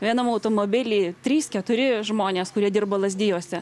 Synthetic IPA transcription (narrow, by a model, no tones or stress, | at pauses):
ʋʲiɛnɐmɐʊt̪oːmoːbʲɪlʲiːt̪ʲɾʲiːskʲɛt̪ʊɾʲɪʒmoːnʲeːskʊɾʲiɛd̪ʲɪrboːlˠɐzʲd̪ʲɪjoːsʲɛ